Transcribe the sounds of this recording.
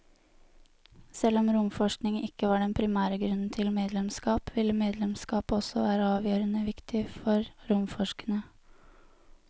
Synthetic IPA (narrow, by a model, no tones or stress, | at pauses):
sɛlɔmɾʊmfɔʂknɪŋɪkːəʋɑːɖɛnpʰɾɪmæːɾəɡɾʉnn̩t̪ʰɪlmeːd̪lɛmskɑːpʋɪlːəmeːd̪lɛmskɑːpɔsɔʋæːɾəɑːʋjøːɾənəʋɪkt̪ʰɪfɔɾɾʊmfɔʂkənə